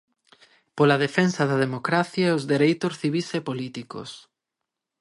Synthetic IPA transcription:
polɐðefensɐðɐðemokɾaθjɐɛʊzðeɾejt̪ʊsθiβ̞isepolit̪iko̰s

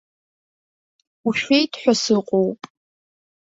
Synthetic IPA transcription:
uʃejtħʷɔsɨqʷʼow

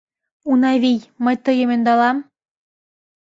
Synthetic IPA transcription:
unɑβijməjt̪əjĕmĕnd̪ɑlɑm

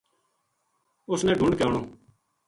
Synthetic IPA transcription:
ʊsnɛ̃ːɖʱʊ̃ɳɖkaːɳoː

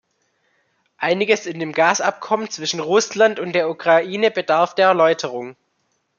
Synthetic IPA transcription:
ʔaɪnɪɡəsɪndeːmɡaːsa̰p̚kʰɔmənt͡sv̥ɪʃn̩ʁʊslantʊnt̚d̥eːɐukʁ̥aʔiːnəbədaɐfd̥eːɐɛɐlɔʏtʰəʁ̞ʊŋ

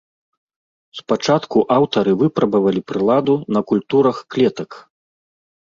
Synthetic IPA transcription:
spat͡ʂat̪kuʔawt̪ɐɾɨvɨpɾɐbɐvɐlʲipɾɨlˠad̪unɐkulʲt̪uɾɐxklʲɛt̪ɐk

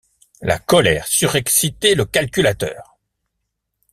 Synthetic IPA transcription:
la̰kɔlɛ̰ːʁsyʁɛksit̪eləkalkʲylat̪œ̰ːʁ

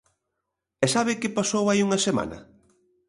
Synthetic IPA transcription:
ɛsaβ̞ɪkɪpasowajuŋɐsema̰nɐ̰

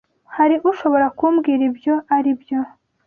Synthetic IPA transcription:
haɾiʔuʃo̞βo̞ɾakumbɡiːɾibjo̞aɾibjo̞

